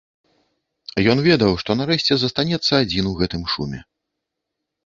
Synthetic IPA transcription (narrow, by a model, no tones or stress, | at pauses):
ajɔnvʲɛd̪ɐwʂt̪ɔnaɾɛʃt͡sʲɛzɐst̪anʲɛt̪sːɐːd͡zʲinuɣɛt̪ɨmʂṵmʲɛ̰